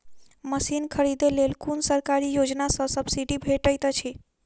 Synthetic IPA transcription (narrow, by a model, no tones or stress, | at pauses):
məsinkʰəɾid̪elelkunsəɾkaɾijod͡ʒnasə̃səbsiɖibʱeʈəjt̪t͡ʃʰi